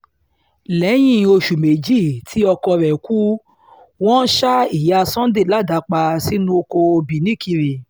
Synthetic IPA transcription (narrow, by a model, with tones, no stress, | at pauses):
lɛ˨˦j̃ĩ˦˨˧o˧ʃu˨me˨d͡ʒi˦˨tʰi˨˦ɔ˧kɔ˧ɾɛ˨ku˦ | wɔ̃˦ʃa˦i˨ja˧sɔ̃˦de˦˨la˦˨da˨˦k͡pa˧si˦nũ˦o˧ko˧o˧bi˨nĩ˨˦˨ki˧ɾe˨